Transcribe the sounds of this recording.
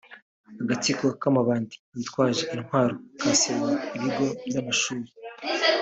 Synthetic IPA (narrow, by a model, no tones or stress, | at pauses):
aɡat͡sikokamaβaːndi̥βitwaːʒeʔinhwaːɾo̞kʰaːsewaiβiɡo̞bjamaʃuːɾi